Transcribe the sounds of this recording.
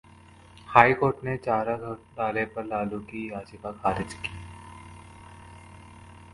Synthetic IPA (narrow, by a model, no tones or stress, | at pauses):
haːikoːɾʈnet͡ʃaːɾaɖaːlepɐɾlaːlukijaːd͡ʒikakʰaːɾɪd͡ʒki